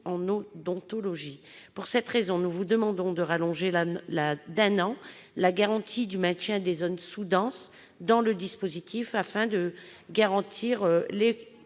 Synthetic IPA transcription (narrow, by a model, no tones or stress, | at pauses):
ɑ̃nod̪ɔ̃t̪ɔlɔʒipuʁsɛt̪χezɔ̃nuvud̪əmɑ̃d̪ɔ̃d̪əʁalɔ̃ʒelad̪ɛnɑ̃laɡaʁɑ̃t̪ʰid̪ymɛ̃t̪jɛ̃d̪ezɔnsud̪ɑ̃s | d̪ɑ̃ləd̪ispozit̪ʰifafɛ̃d̪əɡaʁɑ̃t̪ʰiʁøle